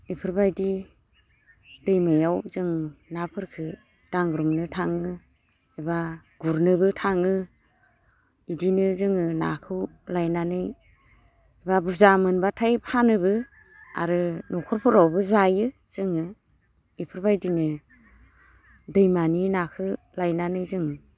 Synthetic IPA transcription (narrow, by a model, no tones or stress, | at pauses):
ipʰɯɾbajdi | dɯjmajawzɯŋnapʰɯɾkʰɯ | d̥aŋɡɾumnɯtʰaŋɯ | ebaɡ̥uɾnɯbɯtʰaŋɯ | idinɯzɯŋɯna̰kʰɯwlajnanɯj | ebabuzamɯnbatʰajpʰanɯbɯ | a̰ɾɯnɔkʰɔɾpʰɯɾawbɯzajɯ | z̥ɯŋɯ | ipʰɯɾbajdinɯ | dɯjmaninakʰɯ | lajnanɯjzɯŋ